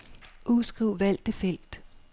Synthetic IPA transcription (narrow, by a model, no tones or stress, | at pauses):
ʔusɡ̥ʁiʊ̰ʋæl̰d̥efel̰d̥